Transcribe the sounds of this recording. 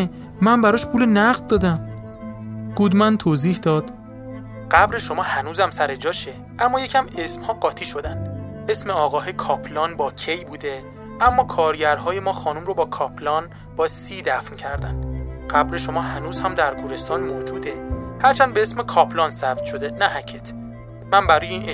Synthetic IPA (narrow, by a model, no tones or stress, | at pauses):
mænbæɾɒːʃpʰuːlenæʁd̪̚d̪ɒːd̪æm | ɡ̥ud̪mænt̪ʰoːziːhd̪ɒːd̪̥ | ɢ̥æbɾe̞ʃo̞mɒːhænuːzæmsæɾed͡ʒɒːʃe | ʔæmːɒːje̞cʰæme̞smhɒːɢɒːt̪ʰiːʃo̞d̪æn | e̞sme̞ɒːɣɒːɦekʰɒːpʰlɒːnbɒːcʰejbuːd̪e̞ | ʔæmːɒːkʰɒːɾɟæɾɦɒːjemɒːxɒːnuːmɾobɒːkʰɒːpʰlɒːn | b̥ɒːsiːd̪æfncʰæɾd̪ænɢæbɾe̞ʃo̞mɒːɦænuːzhæmd̪æɾɡuːɾe̞st̪ɒːnmoːd͡ʒuːd̪e̞hæɾt͡ʃʰænbeesme̞kʰɒːpʰlɒːnsæb̚t̪ʃo̞d̪e̞næɦæcʰet̪ʰ | mænbæɾɔːjeiːn